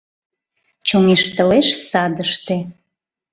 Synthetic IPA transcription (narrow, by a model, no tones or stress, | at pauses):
t͡ɕoŋeʃt̪əleʃsɑd̪əʃt̪e